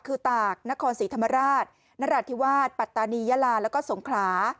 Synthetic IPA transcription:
kʰɯː˧t̪aː˨˩k̚na˦˥kʰɔː˧nsiː˩˦t̪ʰmːa˧ɾaː˥˩t̪̚ | na˦˥ɾaː˧˩t̪ʰi˦˥waː˥˩t̪̚pa˨˩t̪ːaː˧niː˧jaː˦˥laː˧lɛː˦˥kɔː˥˩so˨˩˦ŋkʰlaː˩˦

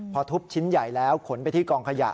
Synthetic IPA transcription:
pʰɔ˧t̪ʰu˦˥p̚t͡ɕʰi˦˥nja˨˩jlɛː˦˥wkʰo˩˦npa˧jt̪ʰiː˥˩kɔː˧ŋkʰa˧ja̰˨˩ʔ

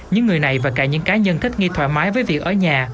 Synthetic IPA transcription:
ɲɨ̰˧ŋːɨ˨˩əjna˨˩jvaː˨˩kaː˧˩ɲɨ̰˧˥ŋkaː˨˦ɲə˧nt̪ʰï˦˥k̟̚ŋi˧t̪ʰwɛ̰˧˩maː˨˦jvəː˨˦jvi˨˩ək̚ʔəː˧˩ɲaː˨˩

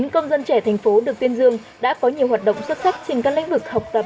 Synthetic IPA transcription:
ŋkə˧wŋ͡mzə˧nt͡ɕɛ˧˩t̪ʰɛ˨˩jŋ̟fo˨˦ɗɨ˨˩ək̚t̪i˧ənzɨ˧əŋ | ɗa̰ː˧˥kɔ˨˦ɲi˨˩əwɦaː˨˩t̚ɗə̰˧˨wŋ͡mswt̚sa˦˥k̚t͡ɕe˧ŋkaː˦˥klḭ̈˧˥ŋ̟vɨ˨˩k̚ha˨˩wk͡p̚t̪ə˨˩p̚

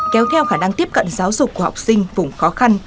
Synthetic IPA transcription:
kɛ˨˦wt̪ʰɛ˧wxaː˧˩na˧ŋt̪i˦˥əp̚kə̰˧˨nzaː˨˦wzʊ˨˩k͡p̚ːu˧˩ha˨˩wk͡p̚sï˧ŋ̟vʊ˨˩ŋ͡mxɔ˨˦xa˧n

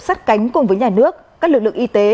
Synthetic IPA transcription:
saː˦˥t̚ka˨˦jŋ̟kʊ˨˩ŋ͡mvəː˨˦jɲaː˨˩nɨ˦˥ək̚kaː˦˥klɨ˨˩k̚lɨ̰˧˨əŋʔi˧t̪e˨˦

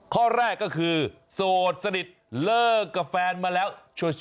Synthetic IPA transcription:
kʰɔː˥˩ɾɛː˥˩kːɔː˥˩kʰɯː˧ | soː˨˩t̪̚sa˧ni˨˩t̪̚lɤː˥˩kːa˧˩fɛː˧nmaː˧lɛː˦˥wt͡ɕʰu˧

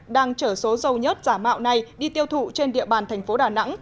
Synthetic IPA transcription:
ɗaː˧ŋt͡ɕəː˧˩so˨˦zə˨˧˩wɲə˦˥t̚z̥aː˧˩ma̰ː˧˨wna˨˧˩jɗi˧t̪i˧əwt̪ʰṵ˧˨t͡ɕe˧nɗḭ˧əɓaː˨˩nt̪ʰɛ˨˩ŋ̟fo˨˦ɗaː˨˩na̰˧˥ŋ

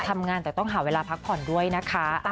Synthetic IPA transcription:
t̪ʰa˧mŋaː˧nt̪ɛː˨˩t̪ɔ˥˩ŋɦaː˨˩˦weː˧laː˧pʰa˦˥k̚pʰɔː˨˩ndu˥˩əjna˦˥kʰa˦˥

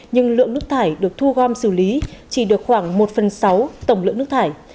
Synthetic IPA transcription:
ɲɨ˧ŋlɨ̰˧˨əŋnɨ˦˥ək̚t̪ʰaː˧˩jɗɨ˨˩ək̚t̪ʰu˧ɣɔ˧msɨ˧˩li˨˦t͡ɕi˧˩ɗɨ˨˩ək̚xwaː˧˩ŋmo˨˩t̚fə˨˩nsa˨˦wt̪ə˧˩wŋ͡mlɨ̰˧˨ŋnɨ˦˥k̚t̪ʰaː˧˩j

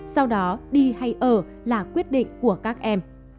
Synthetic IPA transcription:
sa˧wɗɔ˨˦ɗi˧ha˧jʔəː˧˩ | laː˨˩kwi˦˥ət̚ɗḭ˧˨ŋ̟ku˧˩əkaː˦˥k̚ʔɛ˧m

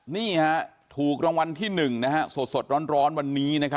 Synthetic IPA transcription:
niː˥˩ha˦˥ | t̪ʰuː˨˩k̚ɾa˧ŋwa˧nt̪ʰiː˥˩nɯ˨˩ŋna˦˥ha˦˥so˨˩t̪̚so˨˩t̪̚ɾɔː˦˥nɾɔː˦˥nwa˧nːiː˦˥na˦˥kʰa˦˥

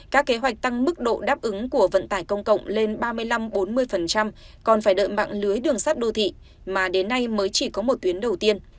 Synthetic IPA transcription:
kaː˦˥kːe˨˦ɦwa˨˩jk̟̚t̪a˧ŋmɨ˦˥k̚ɗo̰˧˨ɗaː˦˥p̚ʔɨ˨˦ŋku˧˩əvə̰˧˨nt̪aː˧˩jkə˧wŋ͡mkə̰˧˨wŋ͡mle˧nɓaː˧mɨ˧əjla˧mɓo˨˦nmɨ˧əjfə˨˩nt͡ɕa˧m | kɔ˨˩nfaː˧˩jɗə̰ː˧˨jma̰˧˨ŋlɨ˨˦əjɗɨ˨˩əŋsaː˦˥t̚ɗo˧t̪ʰḭ˧˨ | maː˨˩ɗe˨˦nːa˧jməː˨˦jt͡ɕi˧˩kɔ˨˦mo˨˩t̚t̪wi˨˦ənɗə˨˩wt̪i˧ən

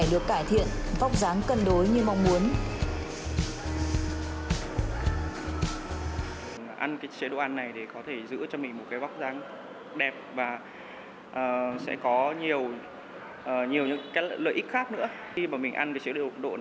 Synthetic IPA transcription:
jɗɨ˨˩əkːaː˧˩jt̪ʰḭ˧˨ənva˦˥wk͡p̚zaː˨˦ŋkə˧nɗo˨˦jɲɨ˧ma˧wŋ͡mmu˨˦ən˨˩ | ʔa˧nkaː˨˦jt͡ɕeː˨˦ɗo̰˧˨ʔa˧nːa˨˩jɗe˧˩kɔ˨˦t̪ʰe˧˩zɨ̰˧˥t͡ɕɔ˧mï˨˩ŋ̟mo˨˩t̚kaː˨˦jva˦˥wk͡p̚zaː˨˦ŋ | ɗɛ˨˩p̚vaː˨˩ | ʔəː˨˩sɛ̰˧˥kɔ˨˦ɲi˨˩əw | ʔəː˨˩ɲi˨˩əwɲɨ̰˧˥ŋkaː˨˦˧lə̰ː˨jʔï˦˥k̚xaː˦˥k̚nɨ̰˧˥ə | xi˧maː˨˩mï˨˩ŋ̟ʔa˧nkaː˨˦jt͡ɕəː˨˦o̰˧˨ɗo̰˧˨

